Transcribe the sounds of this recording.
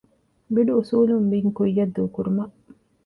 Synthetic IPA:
biɖuusuːlumbiŋkujːɐd̪ːuːkuɾumɐʔ

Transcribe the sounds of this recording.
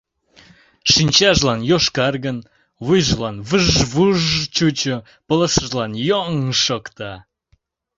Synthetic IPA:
ʃinʲt͡ɕɑʒlɑnjoʃkɑrɣən | βujʒlɑnβɨʒβuʒt͡ɕut͡ɕo | pələsəʒlɑnjoŋʃokt̪ɑ

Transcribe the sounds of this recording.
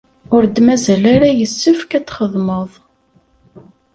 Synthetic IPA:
ʊɾd̪mæzælaɾajəsːəfkæt͡sːχəðˤməðˤ

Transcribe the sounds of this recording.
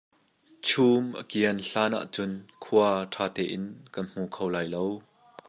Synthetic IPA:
t͡sʰuːmʔəkiənɬaːna̰ʔt͡sʊnkʰuaɐʈʰaːt̪ɛːʔɪnkɐnm̥ukʰowlaːjlow

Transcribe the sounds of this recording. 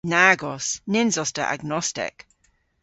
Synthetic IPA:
naɡɔsnɪnzɔstə̰ʔa̰ɡ̚nɔstɪ̰k

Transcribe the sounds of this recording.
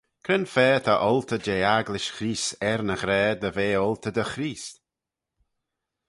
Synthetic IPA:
kʰɾənfɛːt̪ʰaʔɔlˠt̪ʰəd͡ʒeːaɡlɪʃxɾiːsɛɾnəxɾɛːd̪əveːɔlˠt̪ʰəd̪əxɾiːst̪

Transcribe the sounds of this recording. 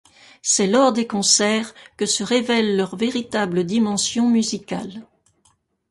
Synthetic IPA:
sɛlɔʁd̪ekɔ̃sɛʁkəsəʁevɛlːœʁveʁit̪abləd̪imɑ̃sjɔ̃myzika̰l

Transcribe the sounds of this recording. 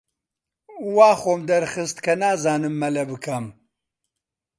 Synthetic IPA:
waːxoːmd̪ɐɾxɨst̪kʰɐnaːzaːnɨmːɐlɐbɨkʰɐm

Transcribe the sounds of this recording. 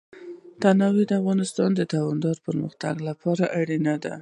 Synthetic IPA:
d̪̥anɑwed̪əafɣɑnɪst̪ɑnd̪ət̪ɑwɑnd̪ɑɾpəɾməxt̪a̰ɡlapʰɑɾaʔaɽinad̪a̰

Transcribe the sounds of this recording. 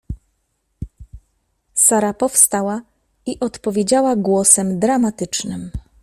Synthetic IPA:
saɾapɔfst̪awa | iʔɔt̪pɔvʲjed͡ʑawaɡwɔsɛmd̪ɾamat̪ɘt͡ʂnɘm

